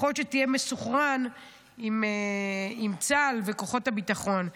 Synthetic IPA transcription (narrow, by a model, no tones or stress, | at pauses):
o̞t̪ʃetijemesuχʁan | imeimt͡salveko̞χothabit̪aχo̞n